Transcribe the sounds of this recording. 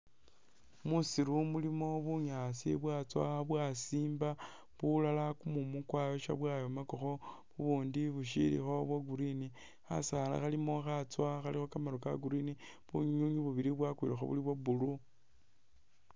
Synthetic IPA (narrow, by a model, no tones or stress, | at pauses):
musiɾumulimo̞βuɲasḭβwat͡swaβwasiːmba | βulalakumumukwajo̞ʃa̰βwajomakoxo̞βuβuːndiβuʃ̬ḭɾḭxo̞βwaɡuɾini | a̰saːla̰xalimo̞xat͡swaxalixokamaɾuka̰ɡuɾini | βṵɲuɲuɲiβuβiɾiβwakwḭlaxo̰βṵliβwobulu